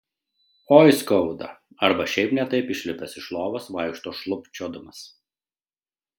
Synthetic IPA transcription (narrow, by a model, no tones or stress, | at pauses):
oːjskɔʊd̪ɐ̰ | ɐɾbɐʃʲɛɪpnʲɛt̪ɐɪpɪʃʲlʲɪp̪ɐsɪʃlˠoːʋɐsʋɐɪkʃt̪oːʃlˠʊpʲt͡ʃʲod̪ʊmɐs